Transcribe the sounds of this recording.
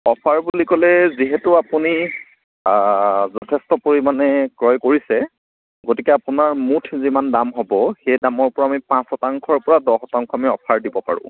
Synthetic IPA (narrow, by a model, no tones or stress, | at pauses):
ɔpʰaɹbulikɔlɛziɦɛtuapuni | zɔtʰɛstɔpoɹimanɛkɹɔjkoɹisɛ | ɡotikɛapunaɹmutʰzimandamɦobɔxejdamɔɹpɔɹaːmipãsɔtaŋkʰɔɹpɔɹadɔxɔtaŋkʰɔamiɔpʰaɹdibɔpa̰ɹʊ̰̃